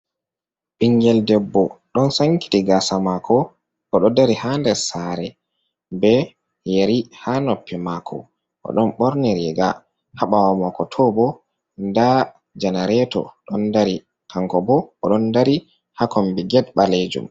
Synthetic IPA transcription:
ɓiŋɡɛldɛbːɔɗɔnsaŋki̥tiɡasamakʰɔ | ʔɔɗɔdaɾihandɛsaɾɛ | bɛ | jeɾihanɔpːɛmakʰɔ̰ | ʔɔ̰ɗɔnɓɔɾniɾɛɡa | haɓawamɔkɔtʰɔbɔ | nda | d͡ʒanaɾɛtɔ̰ɗɔndaɾi | kʰaŋkɔbɔɔɗɔndaɾi | hakɔmbɛɡɛdɓaled͡ʒṵm

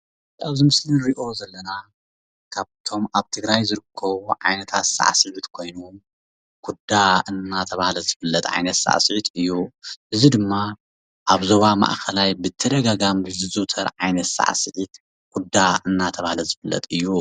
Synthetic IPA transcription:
aβzɨmɨslinɾiʔo̞zɐlːɐna | kʰaβt̪ʰo̞maβt̪ʰɨɡɾajzɨɾɨkʰːɐβuʕa̰jnɐt̪ʰat̪sa̰ʕsɨʕut̪kʰo̞jnu | ɡ̥ʰud̪aʔɨnːat̪ʰɐβahlɐzɨfɨlːɐt̪ʼʕa̰jnɐt̪sa̰ʕsɨʕit̪ʰɨjːuʔɨzid̪ɨmːa | ʔaβzo̞βama̰ʔkʰɐlajbɨt̪ʰɐd̪ɐɡaɡamɨzɨzuʔt̪ʰɐɾʕajnɐt̪sa̰ʕsɨʕit̪ | ɡ̥ʰud̪aɨnːat̪ʰɐβahlɐzɨfɨlːɐ̰t̪ʼɨjːu

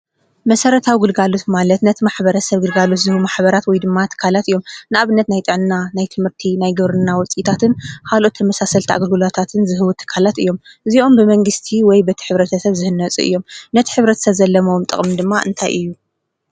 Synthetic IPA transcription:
mɐsɐɾɐt̪ʰawiɡɨlɡalot̪malɐt̪nɐt̪ʰimaħbɐɾɐsɐβɡɨlɡalot̪zɨhɨwumaħbɐɾat̪wɔjd̪ɨmːat̪ʰɨ̥kʰalat̪ɨjːo̞mnɨaβɨnːɐt̪najt̪ʼɨʕnɨnːanajt̪ʰɨmhɨɾt̪ʰinajɡɨβɾɨnːawɔt͡sʼit̪ʰat̪ʰɨnkʰalʔo̞t̪ʰːɐmɐsasɐlt̪ʰiʔa̰ɡɐlɡɨlot̪ʰat̪ʰɨnzɨɦɨwut̪ʰːɨ̥kʰalat̪ɨ̰jːo̞mʔɨziʔo̞mbɨmɐŋɡɨst̪ʰiwɔjbɐt̪ʰi̥ħɨβɾɐt̪ʰɐsɐβzɨhɨnːɐt͡sʼṵʔɨ̰jːomnɐt̪ʰi̥ħɨβɾɐt̪ʰɐ̥sɐβzɐlːɐmomt̪ʼɨ̰χʼmid̪ɨmːaʔɨ̰nt̪ʰajʔɨjːu

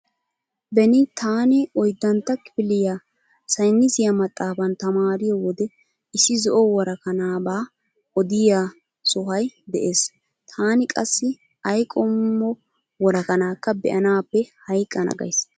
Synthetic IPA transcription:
bɛnɪt̪ʰaːnɪɔjd̪ːɐnt̪ːɐkːɪ̥bɪlɪjaː | sɐjnːɪzɪjɐmɐt̪ʼːaːfɐnt̪ɐmaːɾɪjɔwɔd̪ɛ | ɪsːɪzɔʔɔwɔɾɐkɐnaːbaː | ɔd̪ɪja | sʊɦɐjd̪ɛʔe̞ːs | t̪ʰaːnɪkʼɐsːɪ | ɐjkʼɔmːɔ | wɔɾɐkɐnaːkːɐbɛ̰ʔɐnaːpːɛhɐjkʼːɐnɐ̰ɡɐ̰js

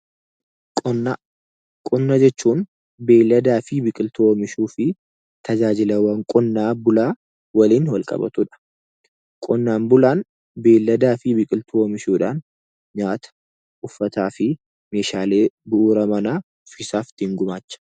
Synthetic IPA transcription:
kʼɔnːɐd͡ʒɛt͡ʃːuːn | be̞ːlːɐd̪aːfɪbɪkʼɪlt̪ʰoːɔmɪʃuːfɪ | t̪ʰɐd͡ʒaːd͡ʒɪlɐwɐŋkʼɔnːaːbʊlaː | wɐliːnwɐlkʼɐ̰bɐ̰t̪uᶑɐ̥ | kʼɔnːaːnbʊlaːn | be̞ːlːɐd̪aːfɪbɪkʼɪlt̪ʰoːɔmɪʃuːᶑaːn | ɲaːt̪ɐ̥ | ʊfːɐt̪aːfɪ | me̞ːʃaːle̞ːbʊʔːɾɐmɐnaː | ʊfɪsaːft̪ɪŋɡʊmaːt͡ʃːɐ̥

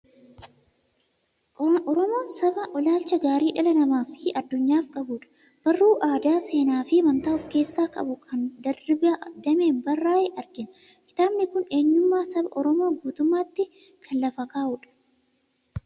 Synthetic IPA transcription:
ɔɾɔmo̞ːnsɐbɐʔɔlaːlt͡ʃɐɡaːɾiːᶑɐlɐnɐmaːfɪʔɐd̪ːʊɲːaːfkʼɐbuːᶑɐ̥ | b̥ɐrːuːʔaːd̪aːse̞ːnaːfɪmɐnt̪aːɔfke̞ːsːaːkʼɐ̰bʊkʰɐnd̪ɐrɪbd̪ɐme̞ːnbɐrːaːʔɛʔɐɾɡɪn | kɪ̥t̪aːbnɪkʊne̞ːɲːʊmːaːsɐbɐ̰ʔɔɾɔmo̞ːɡuːt̪ʊmːaːt̪ːɪ | kʰɐnlɐfɐkaːʔuːᶑɐ̥

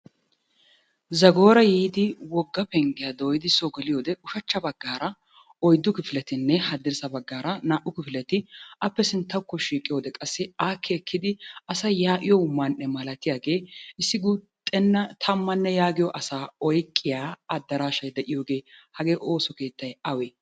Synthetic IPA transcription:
zɐɡo̞ːɾɐjiːd̪ɪwɔɡːɐpɛŋɡɪjad̪oːjɪd̪ɪsoɡɛlɪjoːd̪ɛʊʃɐt͡ʃːɐbɐɡːaːɾɐ | ɔjd̪ːʊkɪfɪlɛt̪ɪnːɛhɐd̪ːɪɾsɐbɐɡːaːɾɐnaːʔʊkɪfɪlɛt̪ɪɐpːɛsɪnt̪ːɐkːɔʃiːkʼːɪjoːd̪ɛkʼɐsːɪaːkʰːɛːkʰːɪd̪ɪɐsɐjaːʔɪjɔʊmːɐnːɛmɐlɐt̪ɪjaːɡe̞ːɪsːɪɡuːt̪ʼɛnːɐt̪ʰɐmːɐnːɛjaːɡɪjɔʔɐsaːɔjkʼːɪjaːɐd̪ːɐɾaːʃɐjd̪ɛʔɪjo̞ːɡe̞ːhɐɡe̞ːʔo̞ːsɔke̞ːt̪ːɐjɐweː

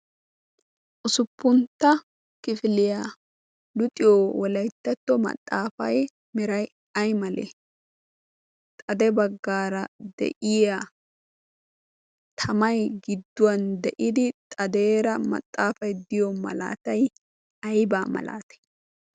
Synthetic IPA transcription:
ʔʊsʊpːʊnt̪ːɐ | kɪfɪlɪjaː | lʊt̪ʼɪjoːwɔlɐjt̪ːɐt̪ːɔmɐ̰t̪ʼːaːfɐ̰j | mɪɾɐj | ɐjmɐlḛ | t̪ʼɐd̪ɛbɐɡːaːɾɐd̪̥ɛ̰ʔɪja | t̪ʰɐmɐjɡɪd̪ːʊwɐnd̪ɛʔɪd̪ɪt̪ʼɐd̪e̞ːɾɐmɐ̰t̪ʼːaːfɐjd̪ɪjɔmɐ̰la̰ːt̪ɐj | ɐjbaːmɐ̰la̰ːt̪ɛ̥

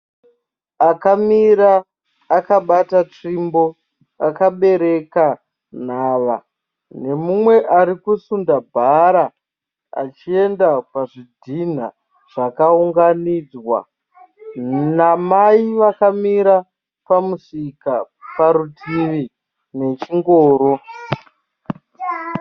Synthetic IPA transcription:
akamiɾaː | kaɓatat͡ʂimbo̞ | akaɓe̞ɾe̞ka | n̤aːʋa | ne̞mumwe̞ʔaɾikusundabʱaɾa | a̰t͡ʃie̞ndapaʐidʱin̤a̰ | ʐ̥akauŋɡaniːd͡zwa̰ | namaiʋakamiɾa | pamusika | paɾutʰiʋi | ne̞t͡ʃiŋɡoːɾo̞

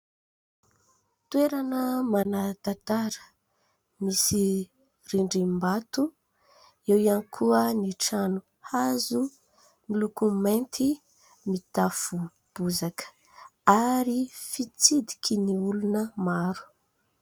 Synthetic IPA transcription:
t̪ueɾanəmanat̪at̪aɾə̥ | misi | riɳɖ͡ʐimbat̪u | ewianikʰuəniʈ͡ʂanu | hazu | milukument̪i | mit̪afu | b̥uzakə̥ | aɾifit͡sid̪i̥kʰiniulunəmaɾu̥

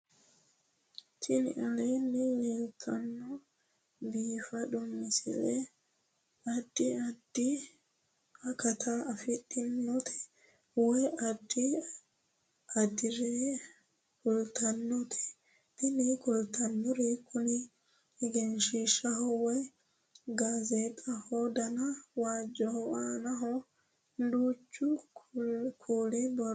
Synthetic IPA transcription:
t̪ʰɪnɪʔɐlɛnɛleːlt̪ʰːɐnːɔ | biːfɐdʊmːɪsɪ̰lɛ | ɐd̪ːɪɐd̪̥ːɪ | ɐkɐt̪ʰɐːfɪtʼːɪnːɔt̪ʰɛ̥ | wɔjɐd̪ːɪ | ɐd̪ɪɾɛ | kʊlt̪ɐnːɔt̪ʰɛ̥ | t̪ɪnɛkʊlt̪ɐnːɔɾekʰʊnɪ | ɪɡɛnʃiʃɐhɔwɔj | ɡaːzet̪ʼɐhɔd̪ɐnɐwaːd͡ʒːɔhɔaːnɐɦɔ | d̪uːt͡ʃːʊ | kʰuːlɛbɔ

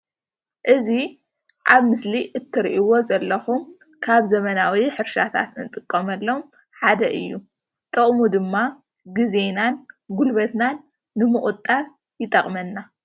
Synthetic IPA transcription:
ʔɨzi | ʔaβmɨsliʔɨt̪ʰːɨɾʔiwo̞zɐlːɐxum | kʰaβzɐmɐnawiħɨɾʃa̰t̪ʰa̰t̪nɨt̪ʼɨkʼːɐmɐlːom | ħad̪ɐʔɨ̰jːu | t̪ʼɐχʼmud̪ɨmːa | ɡizenanɡulβɐt̪nanː | ɨmɨkʼut̪ʼːaɾ | jɪt̪ʼɐχʼmɐnːa

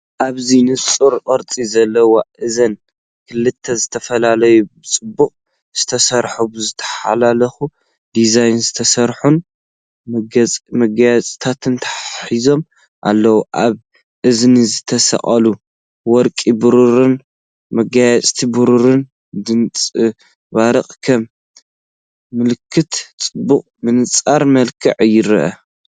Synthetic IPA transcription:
ʔaβzinɨt͡sʼuɾʔʼɐɾt͡s̪ʼizɐlːɐwoʔɨzɐn | kʰɨlɨt̪ʰːɐzɨt̪ʰɐfɐlalɐjubɨt͡sʼɨbːuχʼ | z̥ɨt̪ʰɐsɐɾħubɨzɨt̪ʰɐ̥ħa̰lalɐxu | d̪izajnzɨt̪ʰɐsɐɾħun | mɡmɐɡajat͡sʼt̪ʰat̪ʰɨnt̪ʰɐ̥ħizo̞m | ʔa̰lːɐwuʔaβ | ʔɨznzɨt̪ʰɐsɐ̰χʼɐlu | wɔɾkʼibɨɾuɾɨn | mɐɡajat͡sʼt̪ʰibɨɾuɾɨn | d̪ɨnt͡sʼɨ | βaɾɐχʼkʰɐm | ɨlɨkʰːɨt̪t͡sʼɨbːuχʼmɨnɨt͡sʼaɾmɐlkʰɨ̰ʕjɪɾɐ̰ʔɐ̰

